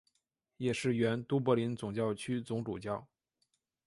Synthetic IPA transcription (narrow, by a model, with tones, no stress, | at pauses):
jɛ˨˩ʂɻ̩˥˩ɥɛ˧˥nt̪u˥p̬ɤ˧˥li˧˥nt͡sʊ˨˩ŋt͡ɕjɑ˥˩ʊt͡ɕʰy˥t͡sʊ˧˥ŋʈ͡ʂu˨˩t͡ɕjɑ˥˩ʊ